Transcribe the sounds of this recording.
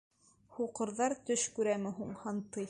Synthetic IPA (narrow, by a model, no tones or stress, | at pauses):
huqɤ̆ɾðɑɾt̪ɵʃkʉɾæmɘ̆ɦuɴhɑnt̪ɤj